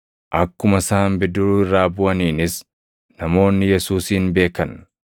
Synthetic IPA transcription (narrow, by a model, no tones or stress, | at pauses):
ʔɐkːʊmɐsaːmbɪd̪ʊɾuːɪrːaːbʊʔɐniːnɪs | nɐmo̞ːnːɪjɛsuːsiːnbe̞ːkɐn